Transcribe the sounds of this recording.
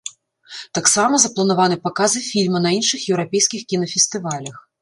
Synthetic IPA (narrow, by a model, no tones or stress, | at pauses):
t̪aksamɐzɐplˠɐnavanɨpakazɨfʲilʲmɐnɐinʂɨxjɛwɾapʲɛjsʲkʲixkʲinɐfʲɛst̪ɨvalʲɐx